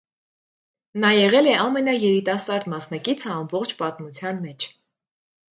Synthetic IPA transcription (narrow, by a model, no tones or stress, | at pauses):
nɑjɛʁɛlɛɑmɛnɑjɛɾit̪ɑsɑɾd̪mɑsn̪ɑkit͡sʰəɑmbɔχt͡ʃʰpɑt̪mut͡sʰjɑnmɛt͡ʃʰ